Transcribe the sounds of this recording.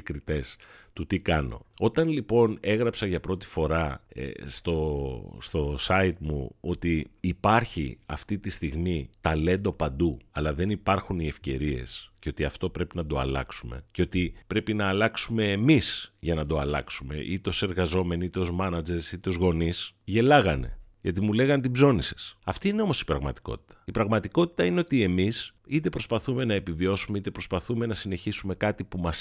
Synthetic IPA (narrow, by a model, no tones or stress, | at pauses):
kɾit̪e̞st̪ut̪ikɐno̞̰o̞t̪ɐnlipo̞ne̞ɣɾɐpsɐʝɐpɾo̞t̪i̥fo̞ɾɐḛst̪o̞st̪o̞sɐit̪mṵo̞t̪iːpɐɾçḭɐ̰ft̪it̪ist̪iɣmit̪ɐle̞nd̪opɐnd̪uɐlɐðe̞nipɐɾxunie̞fce̞ɾie̞̰sceo̞t̪iɐft̪o̞pɾe̞pinɐd̪o̞ɐ̰lɐ̰ksume̞̰ceo̞t̪ipɾe̞pinɐːlɐksume̞ːmisʝɐnɐd̪o̞ɐlɐ̰ksume̞̰ʔit̪eo̞se̞ɾɣɐzo̞me̞nit̪eozmɐnɐd͡ze̞ɾsit̪eo̞zɣo̞nisʝe̞lɐɣɐne̞̰jʝɐt̪imule̞ɣɐnt̪ibzo̞nise̞̥sɐft̪iine̞o̞mo̞si̥pɾɐɣmɐ̰t̪i̥ko̞̰t̪i̥t̪ɐ̥ipɾɐɣmɐt̪iko̞t̪i̥t̪ɐine̞ot̪ie̞misit̪e̞pɾo̞spɐθume̞nɐe̞pivio̞sumeit̪e̞pɾo̞spɐθume̞nɐsine̞çisume̞kɐt̪ipumɐs